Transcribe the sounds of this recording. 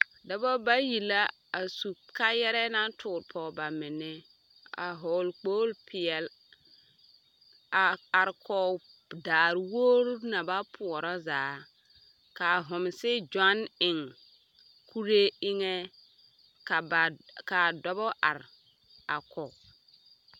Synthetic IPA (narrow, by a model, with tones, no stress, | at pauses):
dɔ˨bɔ˦ba˦ji˨la˦ | a˨su˨ka˦jɛ˦ɾɛ˦na˦tʰʊː˨ɾpʰɔ˨ba˨mɪ˨nɪ˦ | a̰˨ɦo˨lk͡po˦lpʰɪ˨ɛ˨l | a˨a˨ɾkɔ˦ | daː˨ɾwoː˦ɾna˨ba˦pʰu˨ɔ˨ɾɔ˦zaː˨˦ | ka˨ɦʊ˨m˨sɪ˦d͡ʒa˦nɪ˨ŋ | kʰu˦ɾe˦ɪ˦ŋe˦ | ka˨ba˨ka˨dɔ˦bɔ˦ʔa̰˨ɾ | a˨kɔ˨